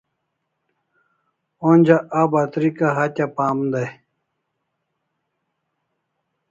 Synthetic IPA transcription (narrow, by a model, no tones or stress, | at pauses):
onʲd͡ʑaʔabat̪ɾikaɦatʲapaːmd̪aj